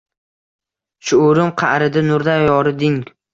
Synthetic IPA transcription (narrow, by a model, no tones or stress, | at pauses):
ʃʰʊːɾɪmqʰɑʔɾɪd̪anʊɾd̪ajɒɾɪd̪ɪŋ